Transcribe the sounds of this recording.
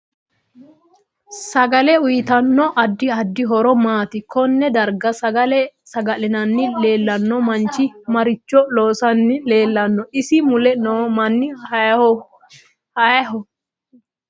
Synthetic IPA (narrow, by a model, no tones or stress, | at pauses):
sɐɡɐlɛʊjɪt̪ɐnːɔʔɐd̪ːɪɐd̪ːɪɦɔɾɔmaːt̪ɪkɔnːɛd̪ɐɾɡɐsɐɡɐlɛsɐɡɐlɪnɐnːɪle̞ːlːɐnːɔmɐnt͡ʃɪmɐɾɪt͡ʃːɔloːsɐnːɪleːlːɐnːɔʔɪsɪmʊlɛnomɐnːɪ | hɐjɦɔ